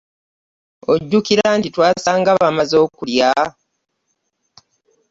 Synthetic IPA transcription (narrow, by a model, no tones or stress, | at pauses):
o̞ɟːukiɾantitwaːsaːŋɡaβamazo̞ːkulja